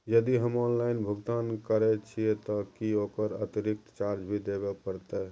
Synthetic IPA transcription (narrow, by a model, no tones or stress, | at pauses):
jəd̪iɦəmɔnlainbʱəɡt̪ankəɾɛt͡ʃʰiɛt̪ɔkiokəɾə̰t̪iɾik̚t̪t͡ʃaɾd͡ʒbʱid̪ebɛpəɾt̪ɛ